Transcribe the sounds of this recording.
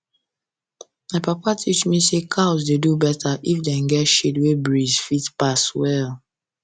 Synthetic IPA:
maɪpapatʰit͡ʃmisekʰaʊzdedubɛtʰaʔifdɛ̃nɡɛtʃetwebɹizfitpaswɛl

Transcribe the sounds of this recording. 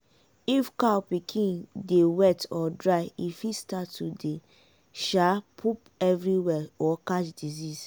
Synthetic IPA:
ifkapikʰĩndewɛtʰɔdɹajifistatːude | ʃapʰup | ɛvɾiwɛɔkat͡ʃdizis

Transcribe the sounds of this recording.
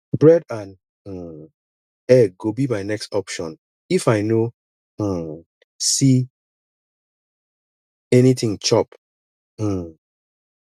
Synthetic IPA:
bɹɛdãn̩ | ɛɡobimaɪnɛkstɔpʃɔ̃n | ifaɪnõ | si | ɛnit̪ĩŋt͡ʃɔp̩

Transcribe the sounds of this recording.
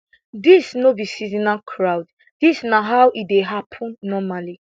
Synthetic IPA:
disnobisizinakʰɹawd | disnaɦawʔideɦapʰɔ̃nːɔmali

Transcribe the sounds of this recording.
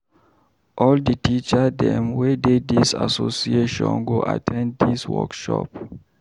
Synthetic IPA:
ʔɔlditit͡ʃadɛ̃mwededisa̰sosieʃɔ̃nɡoʔatʰɛ̃nd̚diswɔ̰kʃɔ̰p

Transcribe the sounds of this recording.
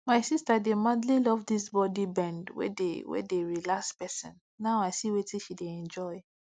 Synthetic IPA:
maɪsistademadlilɔvdisbɔdibɛ̃ndwḛdewḛdeɹilakspɛsḭ̃n | naʊaɪsiwetĩʃideɛ̃nd͡ʒɔɪ

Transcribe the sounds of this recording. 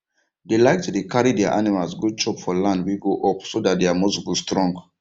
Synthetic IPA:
delaɪk̚tudekʰaɹidɛa̰ʔanimalsɡod̚t͡ʃɔpfɔlãndwiɡoʔɔpsodat̚deamosbustɹɔ̃ŋɡ

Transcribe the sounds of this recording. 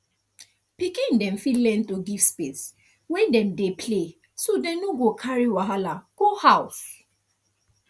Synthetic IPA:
pikĩndɛmfilɛ̃ntoɡivspes | wɛ̃dɛ̃mdepʰle | sodɛ̃mnoɡokʰaɹiwaɦalaɡ̥ohaʊs

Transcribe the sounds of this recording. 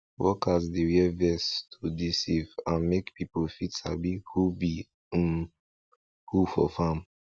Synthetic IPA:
wɔkazdeɹiɛvɛstʰudisivãnmekpipofitsa̰bihubi | m | hufɔ̰fãm

